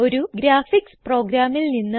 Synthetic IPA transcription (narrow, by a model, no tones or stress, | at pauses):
o̞ɾuɡɾaːfikspro̞ːɡɾaːmilninːɨ